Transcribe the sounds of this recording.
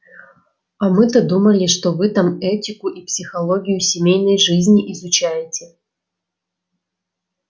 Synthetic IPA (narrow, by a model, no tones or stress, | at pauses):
ɐmɨt̪ɐd̪uməlʲɪʂt̪ovɨt̪amɛtʲɪkʊʔipsʲɪxɐlˠoɡʲɪjʊsʲɪmʲejnəjʐɨzʲnʲiʔizʊt͡ɕæjɪtʲɪ